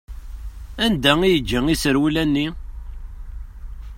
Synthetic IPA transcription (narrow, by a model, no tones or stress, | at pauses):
ænd̪æijəd͡ʒːəŋisəɾwulænːi